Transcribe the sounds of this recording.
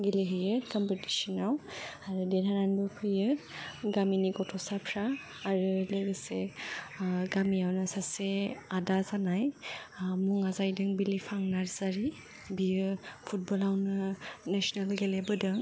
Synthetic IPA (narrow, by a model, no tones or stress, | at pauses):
ɡileɦɯjɯkambəti̥sinawaɾudeɾananbɯpʰɯjɯɡaminiɡɔtʰɔsapʰɾaː | ɾɯleɡɯse | ɡamiawnasaseadazanaj | muŋazajdɯŋbilipʰaŋnaɾzaɾi | bijɯpʰut̚bɔlawnɯnasɔnalɡelebɯdɯŋ